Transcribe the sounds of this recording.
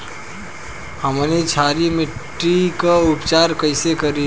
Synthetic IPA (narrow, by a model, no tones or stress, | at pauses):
həmnit͡ʃʰaːɾimɪʈ | ɾikaʊpt͡ʃaːɾkəɪsekəɾi